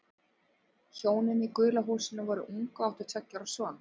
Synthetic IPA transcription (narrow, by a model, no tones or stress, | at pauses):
çoːwnɪnikʏːlaɦuːsɪnavɔːɾʏʔuŋkaaht̪ʏɾ̥t̪ʰɛcːaɾasvɔːn